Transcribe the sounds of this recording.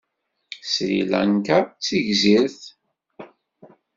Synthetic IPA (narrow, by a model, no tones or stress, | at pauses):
sɾḭlæ̰nkat͡sːiʝziɾθ